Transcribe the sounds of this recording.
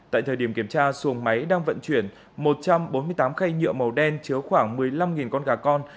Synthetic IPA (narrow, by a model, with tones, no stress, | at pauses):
a̰ː˧˨jt̪ʰəː˨˩ɗi˧˩əmki˧˩əmt͡ɕaː˧su˨˦əŋma˨˦jɗaː˧ŋvə̰˧˨nt͡ɕwi˧˩ən | mo˨˩t̚t͡ɕa˧mɓo˨˦nmɨ˧əjt̪aː˨˦mxa˧jɲɨ̰˧˨əmə˨˩wɗɛ˧nt͡ɕɨ˨˦əwxwaː˧˩ŋmɨ˨˩əjla˧mŋi˨˩nkɔ˧nɣaː˨˩kɔ˧n